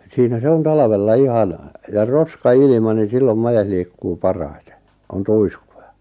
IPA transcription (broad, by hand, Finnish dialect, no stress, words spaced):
siːnæ se on tɑlɑʋelːɑ ihɑn jɑ roskɑilĭmɑ nin̞ silːom mɑjes liːkːuː pɑrɑite̥ on tuiskujɑ̥